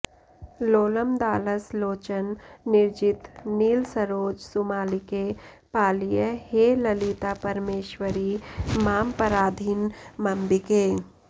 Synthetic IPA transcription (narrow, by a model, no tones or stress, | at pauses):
loːləmd̪aːləsloːt͡ʃənːɪɾd͡ʒɪt̪niːlsəɾoːd͡ʒsʊmaːlike | paːlijəheːləlit̪apəɾmeːʃwəɾimaːmpəɾaːd̪ʱinmɐmbikeː